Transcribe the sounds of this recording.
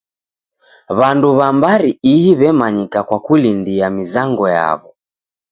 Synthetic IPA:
βanduβambaɾiihiβɛmaɲikakwakulindiamizaŋɡɔja̰βɔ

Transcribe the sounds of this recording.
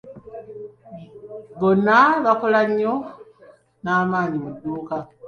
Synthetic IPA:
βonːaβakolaɲːo̞ | naːmaːɲimudːuːka

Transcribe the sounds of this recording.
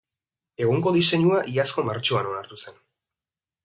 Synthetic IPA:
e̞ɣ̞uŋko̞ðise̞ɲuaʔiasko̞maɾt͡ʃoano̞naɾt̪use̞n

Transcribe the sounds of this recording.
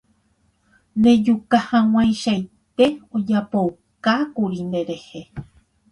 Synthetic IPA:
nd̪ẽ̞d͡ʒukahãw̃ãj̃ʃaj | t̪e̞od͡ʒapow | kakuɾind̪e̞ɾe̞he

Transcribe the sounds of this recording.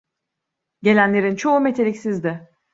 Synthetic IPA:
ɟe̞lʲænlʲe̞ɾint͡ʃʰo̞umet̪ʰe̞lʲicsizd̪ɪ

